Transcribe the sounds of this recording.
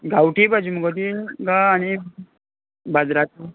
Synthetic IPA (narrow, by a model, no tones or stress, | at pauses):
ɡawʈibad͡ʑimuɡət̪̬iɡaːñi | bad͡zɾat̪u